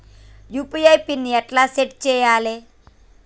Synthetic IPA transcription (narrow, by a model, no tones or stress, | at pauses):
jupiajpinːiɐʈlaseʈ̚t͡ʃejaːle